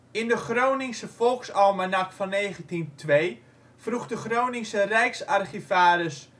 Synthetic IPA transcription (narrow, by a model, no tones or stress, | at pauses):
ɪndəxrownɪŋsəfɔlˠksɔlˠmanakfɔnːeːχəntintʰʋej | fruxdəxrownɪŋsərɛjksarχifaːɾəs